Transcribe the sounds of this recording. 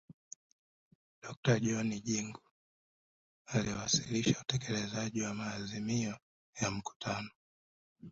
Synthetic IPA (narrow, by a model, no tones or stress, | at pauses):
ɗ̥ɔk̚taʄɔniʄiŋɡu | aliwasiliʃautɛkɛlɛzaʄiwamaːzimiɔ | jam̩ku̥tʰanɔ